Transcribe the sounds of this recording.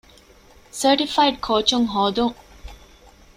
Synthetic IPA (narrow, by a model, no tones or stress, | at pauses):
səɾʈifajɖ̚kʰoːt͡ʃuŋɦɔːd̪uŋ